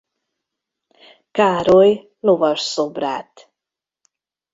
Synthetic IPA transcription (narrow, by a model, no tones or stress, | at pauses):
kaːɾoj | lovɒrsobra̰ːt̪